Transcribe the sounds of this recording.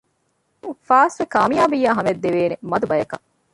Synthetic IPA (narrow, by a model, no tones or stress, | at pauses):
faːsʋekaːmijaːbijːaːɦɐmed̪ːeʋeːnemɐd̪ubɐjɐkɐ